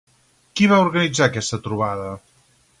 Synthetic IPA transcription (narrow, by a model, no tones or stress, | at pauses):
kiβauɾɣənid͡zaːkɛst̪ət̪ɾuβ̞aðə